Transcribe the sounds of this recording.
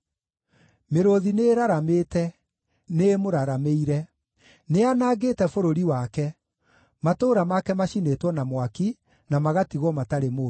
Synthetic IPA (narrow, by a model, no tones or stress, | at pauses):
meɾoðineɾaɾameːtɛ | nemoɾaɾameiɾɛ | neanaːɡetɛfoɾoɾiwakɛ | matoːɾamakɛmaɕinetwɔnamwaki | namaɣatiɣɔmataɾemoː